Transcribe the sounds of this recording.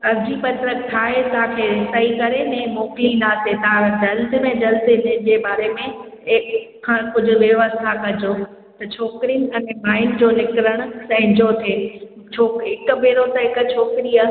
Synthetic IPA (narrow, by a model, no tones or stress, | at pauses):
ɐbd͡ʑipɐt̪ɾək̚ʈ̪ʰaːɦet̪aːkʰeɾɪsəikɐɾenẽmoːklinaːset̪aãd͡ʑɐld̪mẽd͡ʑɐld̪ɪnɪd͡ʑebaːɾemẽɪkkʰːãkʊd͡ʑʱʊ̆ʋjɐʋəst̪ʰakɐd͡ʑo | t̪ɐt͡ɕʰoːkɪɾijənɪ̆ɐnmaːɪnd͡ʑoːnɪkɾəɽ̃ʊ̆sɐ̃ɦɪ̃ɲd͡ʑot̪ʰeː | t͡ɕʰoːkɦɪkʊbeːɾot̪ɐɦɪkt͡ɕʰoːkɪɾijə